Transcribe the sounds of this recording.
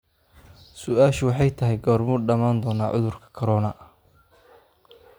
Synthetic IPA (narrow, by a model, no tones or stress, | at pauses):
sʊaːʃʊwɑħɑjt̪ʰɐɦɛjɡɔrmʊɖɐmaːnd̪ɔːnaːʕʊ̰ðʊrkʰɐ̥kʰɐɾɔːnɐʔ